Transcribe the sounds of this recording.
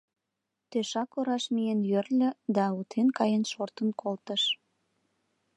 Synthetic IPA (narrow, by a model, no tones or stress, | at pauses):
t̪øʃɑkoɾɑʃmijenjørlʲø̆d̪ɑut̪ʰenkɑjənʃort̪ənkʰolt̪əʃ